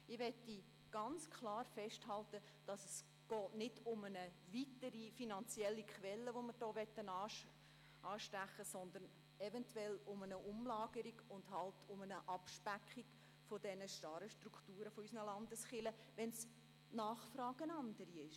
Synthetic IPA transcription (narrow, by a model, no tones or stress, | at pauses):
ɪʋɛtːi | ɡ̥ɑnt͡skʰlɑːɾfɛʃthɑltə | d̥ɑsəs | ɡ̥ɔːtnɪdʊmənəvitəɾifinɑnt͡siɛlːikχʋɛlːəʋomɪɾd̥ɔːʋɛtːənɑː | ʔɑːʃtæχːəsɔnd̪ən | ɛvɛntʰwɛlʊmənəʔʊmlɑːɡ̥əɾiɡʊndhɑltʰʊmənəʔɑpʃpækχik | fodɛnəʃtɑɾəʃtrukʰtuːɾəfoysənəlɑndəsχɪlə | ʋɛns | nɑːχfɾɑːɡ̥ənɑnd̥əɾiɪʃ